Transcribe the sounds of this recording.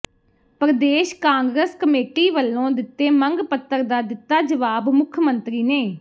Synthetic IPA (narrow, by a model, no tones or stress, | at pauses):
pəɾəd̪eːʃkãːŋɡɾəskəmeːʈiːʋəlːõːd̪ɪt̪ːeːməŋɡpət̪ːəɾd̪aːd̪ɪt̪ːaːd͡ʒəʋaːbmʊkʰjmənt̪ɾiːneː